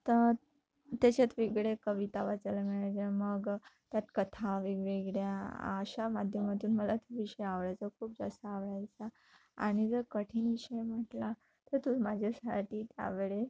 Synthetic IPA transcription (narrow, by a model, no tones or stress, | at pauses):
t̪ə | t̪at͡ɕat̪ʋeɡɭekəʋit̪aʋat͡salamiɭajd͡zaməɡt̪jat̪kət̪ʰaʋeɡʋeɡɭjaa̰ɕamad̪ʱjəmat̪uːnməlat̪ʰiʋiɕəjaʋɭajt͡sakʰuːp̚d͡zast̪aːʋɭajt͡sa | a̰ɽ̃id͡zəɾkəʈʰiːniɕejm̤əʈla | t̪əɾt̪umad͡ʑʱasaʈʰiːt̪ja̰ʋeɭe